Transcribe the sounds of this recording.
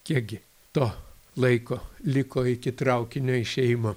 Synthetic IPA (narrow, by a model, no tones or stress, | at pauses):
kʲiɛk̚ɡʲɪ | t̪oː | lˠɐɪkoːlʲɪkoːɪkʲɪt̪ɾɐʊkʲɪnʲoːɪʃʲɛjɪmɐ